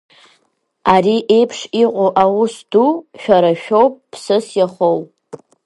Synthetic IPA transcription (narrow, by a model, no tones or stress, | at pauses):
aɾiʔe̞jpʰʂiqʼoʔawusduʃᶣaɾaʃᶣo̞wpʼpʰsɨsjaχow